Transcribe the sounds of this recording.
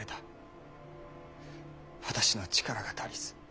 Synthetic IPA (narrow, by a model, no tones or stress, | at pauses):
et̪ḁ | βat̪aɕino̞t͡ɕi̥kaɾaɡat̪ʰaɾʲisɨ̥